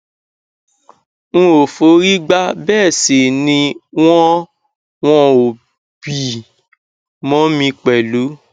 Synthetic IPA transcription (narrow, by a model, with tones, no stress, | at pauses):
ñ̩˦˧o˨fo˨˦ɾi˦ɡ͡ba˦bɛː˦˨se˨nĩ˧w̃ɔ̃˦ | w̃ɔ̃˦o˨ | b̥i˨ | mɔ̃˨˦mĩ˧k͡pɛ˨lu˨˦